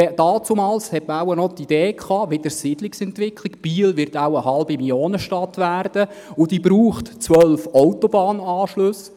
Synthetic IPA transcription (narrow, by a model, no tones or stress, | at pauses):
ɛd̥ɑːt͡sumɑːlshɛtməaʊənɔt̪id̥̪eːkʰɑːʋɪd̥̪əɾsid̥lɪksɛntʋɪkʰlɪkb̥iːlvɪɾtaʊəhɑlbimiljoːnəʃtɑt̪ʋæːrd̥ə | ʊd̥iːbɾuːχtt͡sʋœlfɔwtɔbɑːnɑːʃlɵs